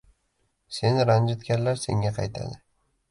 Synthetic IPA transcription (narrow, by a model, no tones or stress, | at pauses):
se̞nɾand͡ʒɪt̪ɡʲaɾlaɾse̞ŋɡʲaqʰɑjt̪ʰa̰d̪ɪ